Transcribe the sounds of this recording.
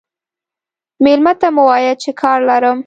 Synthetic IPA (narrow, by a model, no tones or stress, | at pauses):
melmat̪amuwɑjat͡ʃekʰɑɾlaɾəm